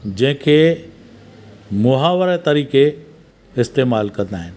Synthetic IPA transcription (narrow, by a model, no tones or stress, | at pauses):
d͡ʑɐ̃ɦɪ̃kʰeː | mʊɦaːʋəɾət̪ɐɾiːke | ɪst̪eːmaːlkɐ̃nd̪aːɦɪnɪ̆